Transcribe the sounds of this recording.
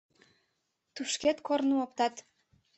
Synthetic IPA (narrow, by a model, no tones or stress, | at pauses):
t̪uʃket̪kornuopt̪ɑt̪